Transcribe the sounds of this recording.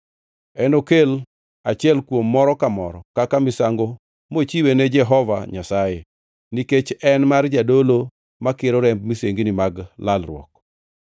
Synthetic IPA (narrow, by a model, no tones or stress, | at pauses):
ɛnokel | at͡ʃɪɛlkwomːɔɾɔkamɔɾɔ̰kakamɪsaŋɡo | mot͡ʃiwened͡ʒɛɦɔva̰ɲasaje | niket͡ʃɛnmard͡ʒadolo | makɪɾɔɾɛmb̚miseŋɡnɪmaɡlalrwɔ̰k̚